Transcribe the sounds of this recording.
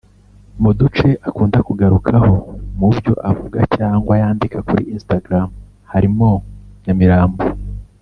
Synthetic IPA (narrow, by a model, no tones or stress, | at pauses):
mudut͡ʃe̞ʔakuːndakuɡaɾukʰaho̞mubjo̞̰ʔavuɡacaːŋɡwajaːndikakuɾiʔiːnstaɡɾam | haɾimo̞ɲamiɾaːmbo